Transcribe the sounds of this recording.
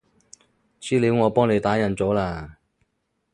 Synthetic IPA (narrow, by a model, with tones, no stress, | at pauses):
t͡sʰiː˥liː˨˧wŋɔː˨˧pɔː˥ŋle˨˧jt̪aː˨˥jɐ˨˩nt͡so˨˥wlaː˧